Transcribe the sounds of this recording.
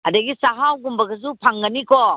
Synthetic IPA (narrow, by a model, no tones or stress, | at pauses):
ɐdɐɡisaɦawɡumbɐɡɐs̬upʰaŋɡɐniko